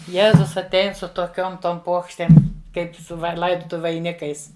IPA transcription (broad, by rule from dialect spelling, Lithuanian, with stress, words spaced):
ˈjeːzʊs ɐtʲˈɛɪn sʊ toːˈkʲoːm ˈtoːm ˈpuɔkʃʲtʲeːm ˈkɐɪp sʊ ˈʋɐɪ ˈlˠɐɪdʊtʊʋʲʊ ʋɐɪˈnʲɪkɐɪs